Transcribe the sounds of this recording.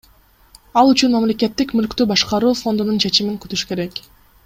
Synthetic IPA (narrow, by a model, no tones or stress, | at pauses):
ɑlˠyt͡ʃynmɑamlʲe̞ke̞t̪ːikmylkt̪ybɑʃqɑɾuːfo̞nd̪ununt͡ʃʰe̞t͡ʃimiŋkyt̪yʃke̞ɾe̞k